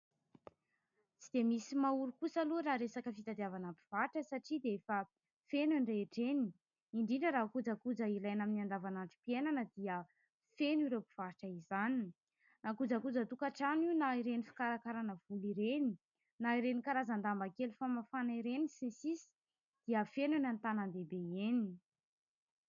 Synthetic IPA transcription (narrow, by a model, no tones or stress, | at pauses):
t͡sid̪̥emisimauɾukusaluɾaɾesakəfit̪ad̪iavanəpi̥v̥aʈ͡ʂəsaʈ͡ʂid̪eefə | fenuɳreːʈ͡ʂeni | iɳɖ͡ʐiɳɖ͡ʐəɾakud͡zakud͡zəilajnaminand̪avanaɳʈ͡ʂi̥pienanəd̪iə | feniɾewpi̥v̥aʈ͡ʂəizani | nakud͡zakud͡zət̪ukaʈ͡ʂaniwnaiɾenifi̥kaɾakaɾanəv̥uliɾeni | naiɾenikaɾazand̪ambakelufamafaniɾenisẽsisi̥ | d̪̥iəfenenant̪anand̪ebeeni